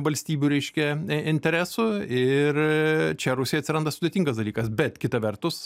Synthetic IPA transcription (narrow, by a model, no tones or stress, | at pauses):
ʋɐlʲsʲt̪ʲiːbʲuːɾʲɛɪʃʲkʲɛɪnʲt̪ʲɛɾʲæːsʊɪrt͡ʃʲɛɾʊsʲɪjɐt̪sʲɪɾɐnd̪ɐsʊd̪ʲet̪ʲiŋɡɐsd̪ɐlʲiːkɐsbʲɛt̪kʲɪt̪ɐʋʲɛrt̪ʊs